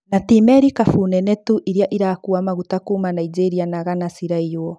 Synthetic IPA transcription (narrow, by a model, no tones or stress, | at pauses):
natimɛɾikafunɛnɛtuʔiɾjaʔiɾakuamaɣutakuːmanaid͡ʒeɾianaɣanasiɾaijwɔ